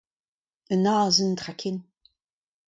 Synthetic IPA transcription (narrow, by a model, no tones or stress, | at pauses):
ənɑːzəndʁakʰɪn